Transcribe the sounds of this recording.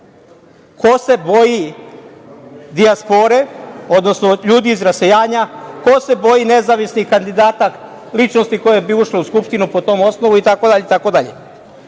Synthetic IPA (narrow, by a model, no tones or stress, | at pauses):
kʰo̞se̞bo̞ji | d̪iaspo̞ɾe̞o̞d̪no̞sno̞ʎuːd̪iːzɾase̞jaːɲako̞se̞bo̞jine̞zaʋisnihkand̪id̪aːt̪ak | lit͡ʃnost̪iko̞jebiuʃleuskupʃt̪inupo̞t̪o̞ːmo̞sno̞ʋuit̪ako̞d̪aʎet̪ako̞d̪aʎḛ